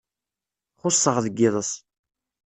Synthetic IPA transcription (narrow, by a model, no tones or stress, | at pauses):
χʊsˤːəʁðəɡːɪðˤəsˤ